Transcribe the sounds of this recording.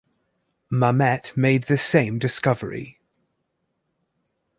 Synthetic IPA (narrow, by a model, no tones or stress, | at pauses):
məmɛtmeɪd̪̚ðəsẽɪ̃mdɪskʌvə̰ɹḭ